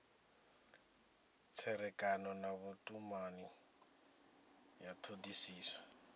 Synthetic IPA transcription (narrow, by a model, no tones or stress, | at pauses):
t͡sʰɛɾɛkʼanɔnaβutʼumani | jatʰodisiːsḁ